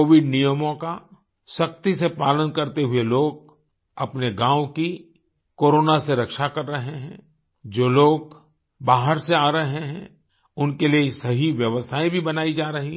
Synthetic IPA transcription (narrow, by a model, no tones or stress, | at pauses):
oːʋɪɖnijəmõka | ʃɐk̚t̪isepaːlənkɐɾt̪eɦʊeloːɡ̚ | ɐpneɡãːʋki | koːɾoːnaseɾɐkʃakɐɾːɐɦeɦɛ̰̃ː | d͡ʒoːloːɡ̚ | baːɦəɾseaːɾɐɦɦeɦɛ̰̃ | ʊnkeliesɐɦiʋjɐʋəsʰaːĩbʱibɐnaːid͡ʒaːɾɐɦi